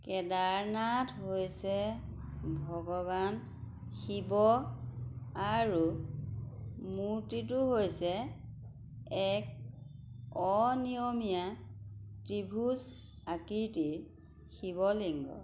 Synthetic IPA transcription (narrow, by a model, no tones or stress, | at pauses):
kɛdaɹnatɦojsɛ | bʱɔɡɔβan | xibɔ | aɹu | muɹtituɦojsɛ | ɛk̚ | ɔnijɔmija | tɹibʱus | akiɹtiɹ | xiβɔliŋɡɔ̰